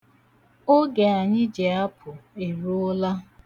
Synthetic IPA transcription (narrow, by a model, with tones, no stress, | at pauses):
o˦ɡe˨a˨ɲɪ˦d͡ʒe˨a˦pʰʊ˨e˨ɾu˦ʊ˦la˦